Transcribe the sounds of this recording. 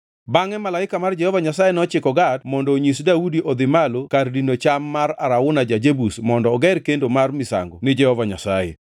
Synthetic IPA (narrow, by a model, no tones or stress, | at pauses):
baŋɛmalaɪkamard͡ʒɛhɔvaɲasajɛnɔt͡ʃɪkɔɡatmɔndɔɲisdaudiʔɔd̪ɪmalokardindot͡ʃamːaɾaɾaʊnad͡ʒad͡ʒebusmɔndɔːɡɛɾkendomarmɪsa̰ŋɡɔnɪd͡ʒɛhɔvaɲa̰sa̰jḛ